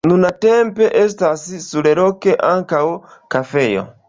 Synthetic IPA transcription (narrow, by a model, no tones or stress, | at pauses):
nunatempeʔestasisuleɾokeʔaŋkawkafejo̰